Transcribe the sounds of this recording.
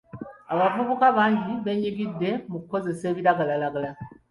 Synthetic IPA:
aβavuβukaβaːɲɟiβe̞ɲiɡidːe̞mukuko̞ze̞se̞ːβiɾaɡalalaɡala

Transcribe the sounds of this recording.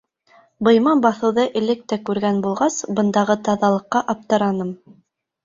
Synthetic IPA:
bɤ̆jmɑnbɑθɤ̆wðɤʔɘ̆lɘk̚t̪ækʉɾɡænbulˠʁɑsbɤ̆nd̪ɑʁɤt̪ɑðɑlˠɤ̆qːɑʔɑp̚t̪ɤ̆ɾɑnɤm

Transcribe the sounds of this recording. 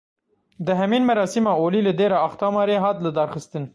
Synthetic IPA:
d̪ɨɦɛmiːnmɛɾɑːsimɑːoːliːlɨd̪eːɾɑɑxt̪ɑːmɑːɾeːɦɑːt̪lɨd̪ɑːɾxɨst̪ɨn

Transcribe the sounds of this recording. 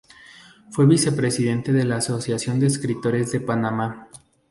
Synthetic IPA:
fwe̞βise̞pɾe̞siðe̞nt̪eðe̞laːso̞sjasjo̞nd̪eːskɾit̪o̞ɾe̞zðe̞panama

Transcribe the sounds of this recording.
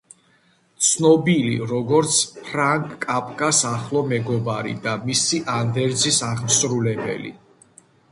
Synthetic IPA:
t̪sʰnɔbilḭɾɔɡɔɾt̪sʰpʰɾaŋkʼːapʼkʼasaχlˠɔmɛɡɔbaɾḭd̪amisiʔand̪ɛɾd̪zisaʁmsɾulɛbɛ̰lḭ

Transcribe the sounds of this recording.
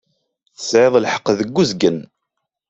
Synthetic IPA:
θəsʕeðˤlħə̥qːðəɡːuzɡən

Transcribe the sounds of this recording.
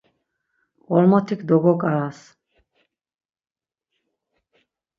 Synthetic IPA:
pɔlmɔt̪ʰikd̪oɡokas

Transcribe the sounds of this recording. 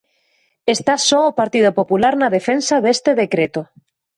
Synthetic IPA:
est̪asɔopaɾt̪ið̞opopulaɾnaðefensaðest̪eðekɾet̪o

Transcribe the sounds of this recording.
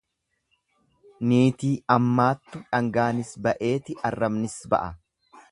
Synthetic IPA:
niːt̪iːɐmːaːt̪ːʊᶑɐŋɡaːnɪsbɐʔe̞ːt̪ɪɐrːɐmnɪsbɐ̰ʔɐ

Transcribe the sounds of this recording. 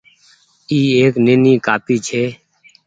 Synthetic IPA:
iːeːkneːniːkaːpiːt͡ʃʰeː

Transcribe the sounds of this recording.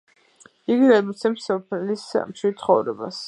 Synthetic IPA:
iɡiɾabit̪sʰɛmsɔpʰɛlismʃid̪t̪sʰχɔvɾɛ̰ba̰s

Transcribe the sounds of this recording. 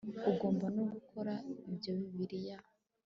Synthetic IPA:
uɡo̞ːmbanoɡukʰoɾaibɟoβiβiɾija

